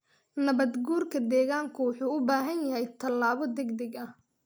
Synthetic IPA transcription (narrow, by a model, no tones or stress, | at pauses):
nɐβɐd̪ɡuːrkʰɐd̪ɛːɣaːŋkʰʊwʊħuːʊbaːɦɐnjɐɦɛjt̪ʰɐlːaːβɔd̪ɛɡd̪ɛɡɐh